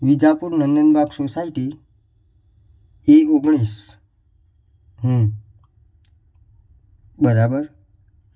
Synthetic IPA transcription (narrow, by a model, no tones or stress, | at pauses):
ʋid͡ʑapuːɾnənd̪ənbaɡsosaiʈi | ioɡɳ̃iːs | ɦə̃ | bəɾabəɾ